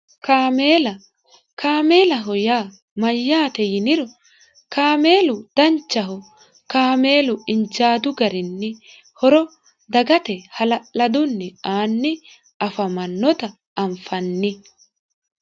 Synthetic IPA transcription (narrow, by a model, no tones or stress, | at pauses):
kaːmeːlɐ | kʰaːme̞ːlɐɦɔjaː | mɐjːaːt̪ɛjɪnɪɾɔ | kaːme̞ːlʊd̪̥ɐnt͡ʃːɐɦɔ | kaːme̞ːlʊɪnd͡ʒaːd̪ʊɡɐɾɪnːɪ | hɔɾɔ | d̪ɐɡɐt̪ɛhɐlɐʔɐd̪ʊnːɪaːnːɪ | ɐfɐmɐnːɔt̪ɐ | ɐɱfɐnːɪ